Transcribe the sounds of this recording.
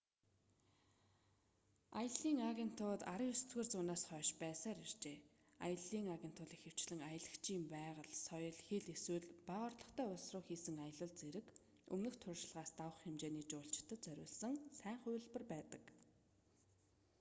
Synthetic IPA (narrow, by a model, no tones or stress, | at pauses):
ajə̆ɮiːŋaɣʲen̥t̪ʰʊːt̪aɾəjɵsɵ̥t̪ɡeːrt͡sʊːnaːsχœːʃpæːsaːɾer̥t͡ɕeː | a̰jə̆ɮiːŋaɣʲen̥t̪ʰʊːɮixɘ̆w̥t͡ɕɮɘ̆ŋajə̆ɮə̆kt͡ɕʰiːmpæːʁə̆ɮsɔjɞ̆ɮxeɮeswɘ̆ɮpaʁɔ̆rt̪ɮɞ̆χt̪ʰœːʊɮsrʊːxiːsɘ̆ŋajə̆ɮə̆ɮt͡seɾɘ̆k | ɵ̰mnɵ̆xt̪ʰʊrʃɪ̆ɮʁaːst̪awə̆χxemt͡ɕeːniːt͡ɕʊːɬt͡ɕt̪ʰə̆t͡sœɾʲʊ̰ːɮsə̆ŋsæːɴχʊj̆ɮpə̆rpæːt̪ə̆k